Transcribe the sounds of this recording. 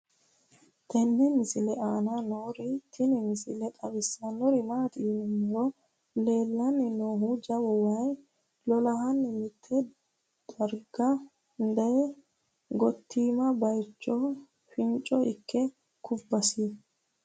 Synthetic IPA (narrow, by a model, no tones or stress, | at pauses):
t̪ɛnːɛmɪsɪlɛʔaːnanoːɾɪt̪ʰɪnɪmɪsɪ̰lɛt̪ʼɐbɪsːɐnɔɾɪmaːt̪ɪnɪmɔɾɔ | le̞ːlːɐnːɪnoːɦud͡ʒɐwɔwaj | lɔlɐɦɐnːɪmɪt̪ʰːɛ | d̪̥ɐɾɡɐ | nd̪ɐjɛ | ɡɔt̪ːiːmɐbɐjt͡ʃːɔ | fɪnt͡ʃʼɔɪkʰːɛ | kʰʊbːɐsi